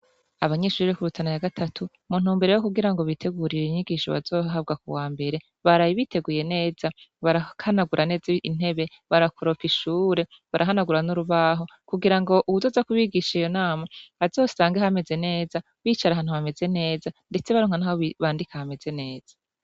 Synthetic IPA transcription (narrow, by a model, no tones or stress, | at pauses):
aβaɲe̞ʃuɾiɾekuɾutʰanajaɡatʰatʰu | mun̥uːmbe̞ɾejokuɡiɾaŋɡo̞βitʰe̞ɡuɾiɾeiɲiɡiʃoβa̰zo̞ːɦab̚ɡakuwaːmbe̞ɾe̞ | βaɾajiβitʰe̞ɡuje̞ne̞ːz̥aβaɾahanaɡuɾʔane̞ːziin̥e̞βe̞ | βaɾakʰoɾo̞piʃuːɾe̞ | βaɾʔaɦanaɡuɾanuɾuβaɦo̞kuɡiɾaŋɡo̞ʔuβuzoːzakuβiɡiʃaijo̞naːmaazo̞ːsaːŋɡehame̞ze̞ne̞ːza | βiːt͡ʃaɾaɦaːn̥uhame̞ze̞ne̞ːzande̞t͡se̞βaɾoːŋanaːhoβiβaːndikahame̞ze̞ne̞ːz̥ḁ